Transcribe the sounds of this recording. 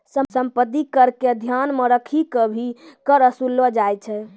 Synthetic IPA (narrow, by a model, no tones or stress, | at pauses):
səsəmpəd̪ikəɾked̪ʱjanməɾəkʰikəbʱikəɾəsulːəd͡ʒajt͡ʃʰɛ